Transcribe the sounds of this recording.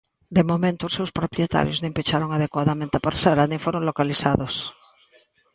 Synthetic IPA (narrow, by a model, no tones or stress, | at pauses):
d̪emomẽnt̪osewspɾopɾjet̪a̰ɾjoznẽmpet͡ʃaɾoŋaðekwaðamẽnt̪eapaɾseɾanẽŋfwoɾoŋlokalisaðos